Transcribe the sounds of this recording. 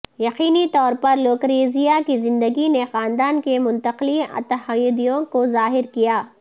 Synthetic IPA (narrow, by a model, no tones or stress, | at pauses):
jɐqiːnit̪ɔːɾpɐɾloːkɾeːzijakizɪ̃nd̪əɡinexaːnd̪aːnkemʊ̃nt̪əqliɐ̰t̪ɐhəjʊd̪ijõkozaːɦɪɾkijaː